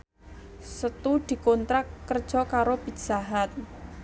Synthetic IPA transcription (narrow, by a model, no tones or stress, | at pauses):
sət̪ud̪̥i̤kont̪ɾakːərd̥ʒ̥ɔ̤kaɾobi̥ʒ̥aɦat̪̚